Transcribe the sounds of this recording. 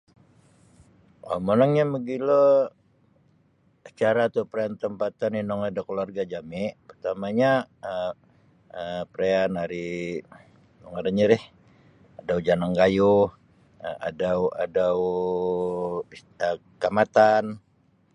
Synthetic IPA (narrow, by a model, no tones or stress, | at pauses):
a̰mənaŋɲaməɡilɔ | t͡ʃaɾat̪upɾeant̪əmpat̪aninɔŋadakəluarɡad͡ʒamɪʔpərt̪amaɲaə | əpəɾeanaɾi | nɔŋaɾaɲəɾɪh | adaud͡ʒanaŋɡajʊh | a̰dawa̰daw | ə | kamat̪an